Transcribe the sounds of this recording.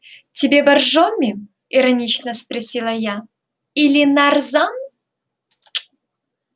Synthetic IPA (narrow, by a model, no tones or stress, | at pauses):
tʲɪbʲebɐrʐomʲɪ | ɪɾɐnʲit͡ɕnəspɾɐsʲilˠaja | ilʲɪnarzan